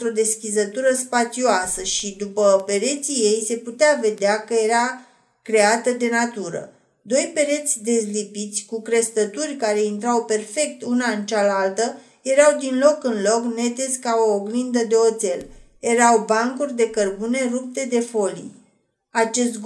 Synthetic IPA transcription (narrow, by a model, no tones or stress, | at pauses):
t̪ɾo̞d̪e̞skʲizət̪uɾəspat̪sioasəʃid̪upəpe̞ɾe̞t̪sije̞jse̞put̪eave̞d̪eakəje̞ɾa | kɾe̞at̪əd̪e̞nat̪uɾə̰ | d̪o̞jpe̞ɾe̞t̪sʲd̪e̞zlipit̪sʲkukɾe̞st̪ət̪urʲkaɾe̞int̪ɾawpe̞rfe̞k̚t̪unaɨnt͡ʃalalt̪ə | je̞ɾawd̪inlo̞kɨnlo̞kne̞t̪esʲkaoːɡlind̪əd̪e̞o̞t̪se̞lje̞ɾawbaŋkurʲd̪e̞kərbune̞rup̚t̪e̞d̪e̞fo̞lḭj | at͡ʃe̞st̪ɡ